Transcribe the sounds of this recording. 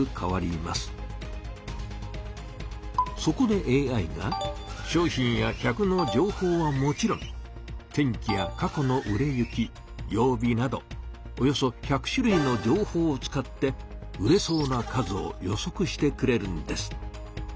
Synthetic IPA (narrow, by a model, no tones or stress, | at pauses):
ɯkʰaβaɾʲima̰sɨ̥ | so̞ko̞d̪e̞ʔeːaiɡa̰ɕo̞ːçĩɰ̃jaçʲakɯ̟no̞d͡ʑo̞ːho̞ːβamo̞t͡ɕiɾõ̞ŋ | t̪ẽ̞ŋkʲijakako̞no̞ʔɯ̟ɾe̞jɯ̟kʲi | jo̞ːbʲinad̪o̞̰ojo̞so̞çakɯ̟̥ɕɨɾɯ̟ino̞d͡ʑo̞ːho̞ːt͡sɨ̥kat̪ːe̞ɯ̟ɾe̞so̞ːnakazɨo̞̰jo̞so̞kɯ̟ɕi̥t̪e̞kɯ̟ɾe̞ɾɯ̟nod̪e̞sɨ̥